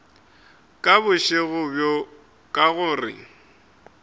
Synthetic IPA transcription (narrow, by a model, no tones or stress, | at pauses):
kʼabʊʃɪɣʊbjo | kʼaɣʊrɪ̰